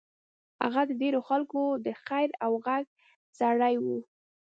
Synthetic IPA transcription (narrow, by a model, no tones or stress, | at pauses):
ha̰ɣad̪əɖeɾoxalkod̪əxajɾawɣaɡ̚ | zaɽajwu